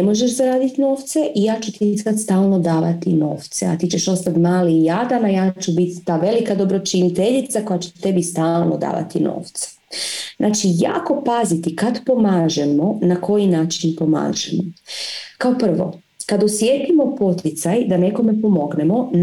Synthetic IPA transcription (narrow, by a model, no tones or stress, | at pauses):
nemo̞ʒeʃzaɾaːd̪it̪no̞ːʋt̪se̞ʔijaːt͡ʃut̪isat̪st̪aːlˠno̞d̪aːʋat̪ino̞̰ːft̪sḛa̰t̪it͡ʃeʃo̞st̪at̪maːliijad̪anajaːt͡ʃubit̪ːaːʋe̞likad̪obɾot͡ʃinit̪eʎit̪sako̞jat͡ɕet̪e̞bist̪aːlˠno̰d̪a̰ːʋa̰t̪ino̰ːft̪se̥ | znʔaːt͡ʃija̰ːko̞pazit̪ikad̪po̞maːʒemo̞nako̞jinaːt͡ʃinpo̞ma̰ːʒemokao̞pr̩ʋo̞̰ | kad̪osjeːt̪imo̞po̞t̪ʰjit̪sajd̪ane̞ko̞me̞po̞mo̞ɡnemo̞n